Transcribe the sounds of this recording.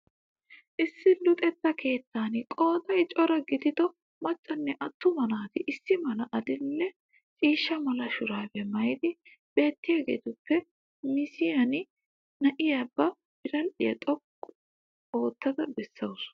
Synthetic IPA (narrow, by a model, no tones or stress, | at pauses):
ʔɪsːɪlʊt̪ʼɛt̪ːɐkʰe̞ːt̪ːaːnkʼo̞ːd̪ɐjt͡ʃʼɔɾɐɡɪt̪ɪt̪ɔ | mɐt͡ʃʼːɐnːɛʔɐt̪ːʊmɐnaːt̪ɪʔɪsːɪmɐnɐʔɐd̪ɪlːɛ | t͡ʃʼiːʃːɐmɐlɐʃʊɾaːfɛmɐjd̪ɪ | b̥e̞ːt̪ːɪjaːɡḛːt̪ʊpːɛ | mɪsɪjɐn | nɐʔɪjabːɐ | b̥ɪɾɐlɪjɐt̪ʼɔkː | o̞ːt̪ːɐd̪ɐbɛsːɐws